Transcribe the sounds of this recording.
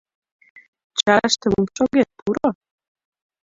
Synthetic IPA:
t͡ɕɑʃt̪ɘ̆mumʃoɡet̪̚pʰuɾo

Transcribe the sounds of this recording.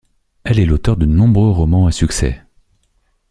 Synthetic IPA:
ɛlɛlot̪œʁd̪ənɔ̃bʁøʁɔmɑ̃asyksɛ̰

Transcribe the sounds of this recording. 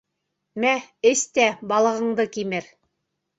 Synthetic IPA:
mæɘst̪æbɑlˠɤ̆ʁɤ̆ɴd̪ɤkimɘɾ

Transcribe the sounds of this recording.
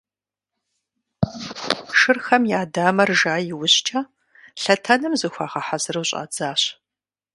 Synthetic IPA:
ʃɨrxɐmjaːdaːmɐrʒaːjɪwʊɕt͡ʃʰʼɐ | ɬɐtʰɐnɨmzɨxʷaːʁɐħazɨrwɕʼa̰ːd͡zaːɕ

